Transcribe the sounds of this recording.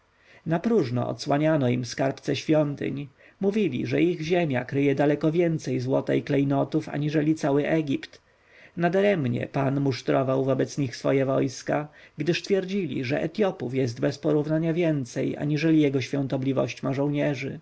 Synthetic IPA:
napɾuʐnɔ̰ɔ̰t̪swaɲanɔimfskaɾpt̪sɛɕfʲjɔnt̪ɘ̰ɲ | muvʲilʲḭʐɛiɣʑemʲjakɾɘjɛd̪alɛkɔvʲjɛnt̪sɛjzwɔt̪ɛ̰jklɛjnɔt̪ufa̰ɲiʐɛlʲit̪sawɘʔɛɡʲipt̪ | nad̪aɾɛmɲɛ̰panmuʂt̪ɾɔvawvɔbɛt̪sɲixsfɔjɛvɔjskaɡd̪ɘʂt̪fʲjɛɾd͡ʑilʲḭʐɛ̰ʔɛ̰t̪jɔpufjɛzd̪bɛspɔɾuvnaɲavʲjɛnt̪sɛja̰ɲiʐɛlʲijɛɡɔɕfʲjɔnt̪ɔblʲivɔ̰ɕt͡ɕmaʐɔ̃w̃ɲɛʐɘ̰

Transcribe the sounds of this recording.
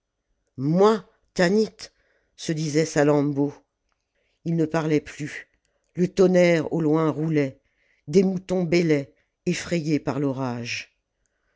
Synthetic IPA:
mwa | t̪anit̪ | səd̪izɛsalɑ̃bo | ilnəpaʁlɛply | lət̪ɔnɛʁo̰lwɛ̃ʁulɛ | d̪emut̪ɔ̃belɛ | efχɛjepaʁlɔʁaʒ

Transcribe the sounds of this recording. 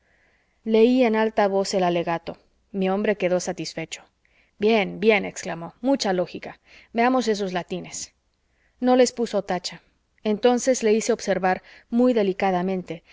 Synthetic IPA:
le̞ie̞nalt̪aβo̞se̞lale̞ɣat̪o̞ | miõ̞mbɾe̞keðo̞sat̪isfe̞t͡ʃo̞̥ | bjenbje̞nḛksklamo̞mut͡ʃalo̞xika | meamo̞se̞s̬o̞zlat̪ine̞s | no̞le̞spuso̞t̪at͡ʃa | ent̪o̞nse̞zle̞ise̞obse̞ɾβaɾmujðe̞likaðamẽ̞nt̪e̞

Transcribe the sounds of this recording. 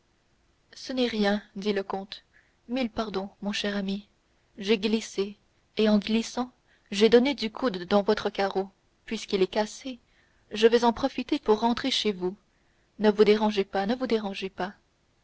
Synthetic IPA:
sənɛʁjɛ̃d̪iləkɔ̃t̪ | milpaʁd̪ɔ̃mɔ̃ʃɛʁami | ʒeɡliseː | ɑ̃ɡlisɑ̃ | ʒed̪ɔned̪ykʰud̪ːɑ̃vɔt̪χəkaʁo | pɥiskʲilɛkase | ʒəvɛzɑ̃pχɔfit̪epuʁːɑ̃t̪χeʃevu | nəvud̪eʁɑ̃ʒepanəvud̪eʁɑ̃ʒepa

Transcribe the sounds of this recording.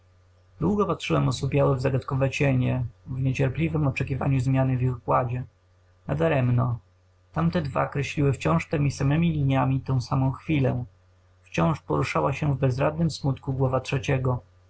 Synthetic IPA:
d̪̥wuɡɔpat̪ʂɘwɛmɔsupʲjawɛvzaɡat̪kɔvɛt͡ɕɛɲɛvɲɛt͡ɕɛɾplʲivɘmɔt͡ʂɛkʲiva̰ɲuzmʲjanɘvʲjixkwad͡ʑɛ | nad̪aɾɛmnɔ | t̪amt̪ɛd̪va̰kɾɛɕlʲiwɘft͡ɕɔ̃w̃ʂt̪ɛmʲisamɛmʲilʲiɲamʲit̪ɔ̃w̃samɔ̃w̃xfʲilɛ̰ | ft͡ɕɔ̃w̃ʂpɔ̰ɾuʂawaɕɛvbɛzɾad̪̚nɘmsmut̪kuɡwɔvatʂɛt͡ɕɛɡɔ

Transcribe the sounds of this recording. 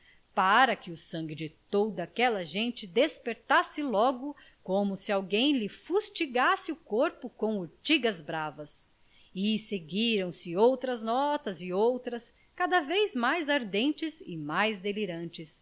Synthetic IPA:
paɾɐkɪʊsɐ̃ŋɡɪd͡ʒɪt̪od̪ɐːkɛlɐʒẽnt͡ʃɪd̪espeɾt̪asɪlɔɡʊ | kõmʊsɪawɡẽj̃lɪfust͡ʃiɡasɪʊkoɾpʊkõw̃oɾt͡ʃiɡɐzbɾavɐs | ɪseɡiɾɐ̃w̃sɪowt̪ɾɐznɔt̪ɐzɪowt̪ɾɐs | kad̪ɐvejzmajzaɾd̪ẽnt͡ʃɪzɪmajzd̪eliɾɐ̃t͡ʃɪs

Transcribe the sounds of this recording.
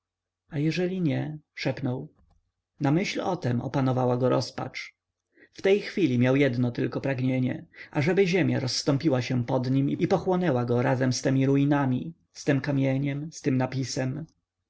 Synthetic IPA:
ajɛʐɛlʲiɲɛʂɛpnɔw | namɘɕlɔt̪ɛmɔ̰panɔvawaɡɔɾɔ̰spa̰t͡ʂ | ft̪ɛjxfʲilʲimʲjawjɛd̪nɔt̪ɘlkɔpɾaɡɲeɲɛ̰ʔaʐɛbɘʑemʲjaɾɔsːt̪ɔ̃mpʲiwaɕɛpɔd̪ɲimiipɔxwɔnɛwaɡɔɾazɛmst̪ɛmʲiɾuinamʲi | st̪ɘmkamʲjeɲɛmst̪ɘmnapʲisɛm

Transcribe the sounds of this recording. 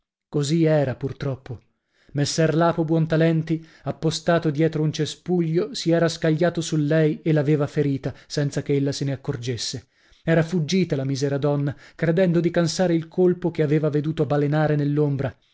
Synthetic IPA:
koziɛːɾapurt̪ɾɔpːo | mesːɛrlaːpobwɔnt̪alɛnt̪iapːost̪aːt̪od̪jɛːt̪ɾount͡ʃespuʎːosiɛːɾaskaʎːaːt̪osulːɛjelaveːvafeɾiːt̪asɛnt̪sakeelːaseneakːord͡ʒesːe | ɛːɾafud͡ʒːiːt̪alamizɛːɾad̪ɔnːakɾed̪ɛnd̪od̪ikansaːɾeilkolpokeaveːvaved̪uːt̪obalenaːɾenelːombɾa

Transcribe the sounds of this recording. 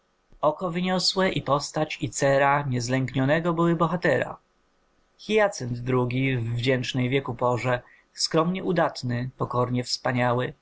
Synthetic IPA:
ɔkɔvɘɲɔswɛʔipɔst̪at͡ɕit̪sɛɾaɲɛzlɛŋkɲɔnɛɡɔbɘwɘbɔxat̪ɛɾa̰ | xʲijat̪sɛnd̪d̪ɾuɡʲivːd͡ʑɛnt͡ʂnɛjvʲjɛkupɔʐɛ | skɾɔmɲɛʔud̪at̪nɘpɔkɔɾɲɛfspaɲawɘ

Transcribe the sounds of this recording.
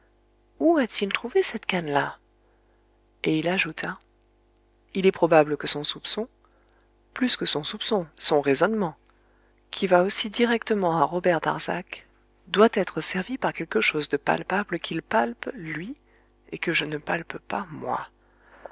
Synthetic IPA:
uat̪ʰilt̪χuvesɛt̪kanla | eilaʒut̪ʰa | ilɛpχɔbabləkəsɔ̃supsɔ̃ | plyskəsɔ̃supsɔ̃sɔ̃ʁezɔnmɑ̃ | kʲʰivaosid̪iʁɛkt̪əmɑ̃aʁɔbɛʁd̪a̰ʁza̰k | d̪wat̪ɛt̪χəsɛʁvipaʁkʲɛlkəʃozd̪əpa̰lpabləkʲʰilpalplɥi | ekəʒənəpalppamwa̰

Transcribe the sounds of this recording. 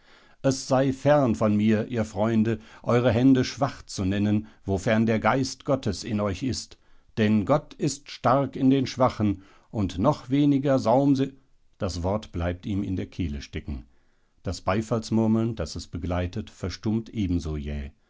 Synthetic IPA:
ʔɛsz̥aɪfɛʁnfɔnmiːɐʔiːɐfʁ̥ɔʏndəʔɔʏʁəɦɛndəʃv̥aχt͡sunɛnənvofɛɐndeːɐɡaɪstɡ̥ɔtəsɪnɔʏçɪst | d̥ɛnɡɔtɪstʃtaʁɐkɪndeːnʃv̥aχən̩ | ʔʊntnɔχv̥eːnɪɡɐzaʊmz | d̥asv̥ɔɐtb̥laɪp̚tiːmɪ̰ndeːɐkʰeːləʃtɛkŋ̩ | d̥asb̥aɪfalsmʊɐml̩nd̥asɛsb̥əɡlaɪtətfɛɐʃtʊmtʔeːbm̩zoːjɛ̰ː

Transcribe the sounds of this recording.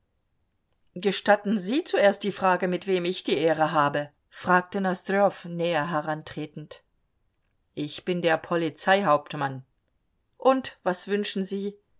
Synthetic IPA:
ɡ̥əʃtatn̩ziːt͡suʔeːɐst̚d̥iːfʁ̥aːɡəmɪtv̥eːmɪçd̥iːʔeːʁəɦaːbə | fʁ̥aːk̚tənasd̥øfnɛːɐɦɛʁantʁ̥eːtn̩t | ʔɪçb̥ɪndeːɐpʰɔlit͡saɪɦaʊp̚tman | ʔʊntv̥asv̥ʏnʃn̩ziː

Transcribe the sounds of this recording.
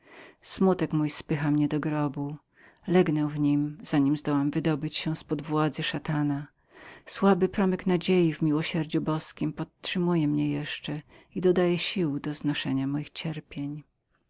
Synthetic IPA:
smut̪ɛkmujspɘxamɲɛd̪ɔɡɾɔbu | lɛɡnɛwvɲimz̥aɲimzd̪ɔwamvɘd̪ɔbɘt͡ɕɕɛspɔd̪vwad̪zɘʂat̪ana | swabɘpɾɔmɛknad͡ʑejivmʲiwɔɕɛɾd͡ʑubɔskʲimpɔt̪ʂɘmujɛmɲɛjɛʂt͡ʂɛ | id̪ɔd̪ajɛɕiwd̪ɔznɔʂɛɲamɔjixt͡ɕɛɾpʲjeɲ

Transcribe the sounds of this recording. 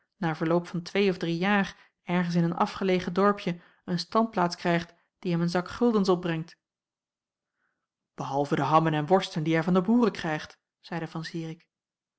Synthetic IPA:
naːɹvəɹlowpfɑntʋejɔvdrijaːr | ɛɹχəns̬ɪnənɑ̰fχəlejχədɔɹpjə | ənstɑnt̚plaːtskrɛjχt | d̥iɦɛmənzɑkχɵlˠdəns̬ɔb̚brɛŋt | b̥əɦɑlˠvədəɦɑmənɛnʋɔɹstəndiɛɹvɑndəbuːrəkrɛjχt | z̥ɛjdəvɑnsiːrɪk

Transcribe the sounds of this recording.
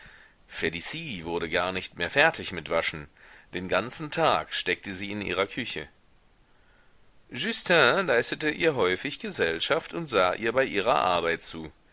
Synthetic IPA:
fedisiːvʊɐɾəɡaːɐnɪçtmeːɐfɛɐtʰɪçmɪtv̥aʃn̩d̥eːnɡant͡sn̩tʰaːkʃtɛk̚təziːɪnʔḭːʁ̞ɐkʰʏçə̰ | ʒystʰɛ̃laɪstətəʔiːɐɦɔʏfɪçɡ̥əzɛlʃaftʊntz̥aːʔḭːɐbaɪʔiːʁɐ̰ʔa̰ɐbaɪtt͡suː

